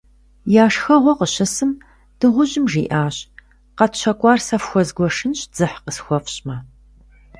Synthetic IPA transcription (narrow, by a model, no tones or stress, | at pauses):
jaːʂxɐʁʷɔqəɕɐsɨm | d̥ɨʁʷʊʑɪmʐḭːʔaːɕ | qɐtɕɐkʷʼɑːrsɐfxʷɔzɡʷɔʂɨnɕd͡z̥ɨħqəsxʷɔfɕmɐ